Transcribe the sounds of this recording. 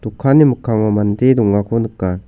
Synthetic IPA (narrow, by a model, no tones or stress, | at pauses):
t̪ukʰːanimɯkʰːaŋamand̪eduŋakʰunɯkːa